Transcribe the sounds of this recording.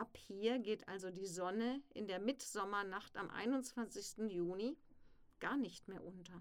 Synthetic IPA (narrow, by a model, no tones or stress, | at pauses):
ʔaphiːɐɡeːtʔa̰lzodiːzɔnəʔɪ̰ndeːɐmɪtz̥ɔmɐnaχta̰mʔa̰ɪnʊnt͡sv̥ant͡sɪçstn̩juːni | ɡ̥aːɐnɪçtmeːɐʔʊntɐ